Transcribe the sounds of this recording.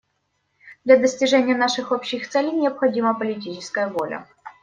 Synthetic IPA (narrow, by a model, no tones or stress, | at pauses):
d̪lʲɐd̪əsʲtʲɪʐɛnʲɪjənaʂɨxopɕːɪxt̪sɛlʲejnʲɪɐpxɐdʲiməpəlʲɪt̬ʲit͡ɕɪskəjəvo̞lʲə̰